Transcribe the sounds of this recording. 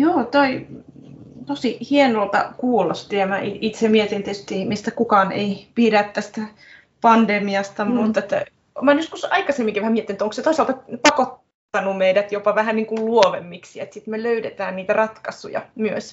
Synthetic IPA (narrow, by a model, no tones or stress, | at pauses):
joːt̪oi | t̪osihienolt̪ɑ̰kuːlːɑst̪iæmæʔiʔit̪semiet̪ent̪est̪iːmist̪ækukɑːnḛipiɾæt̪t̪æst̪æ | pɑnd̪emiɑst̪ɑmut̪ːet̪ːæ̰ | mɑːnjoskusɑikɑsemːiŋkiʋæhæmiet̪ːinyt̪oŋkset̪oisɑlt̪ɑpɑkot̪ː | ɑnumeidæt̪jopɑʋæhænniːŋkulluoʋemːiksiḛt̪sit̪meløydet̪æːnniːt̪ærɑt̪kɑsṵjɑ̰myøs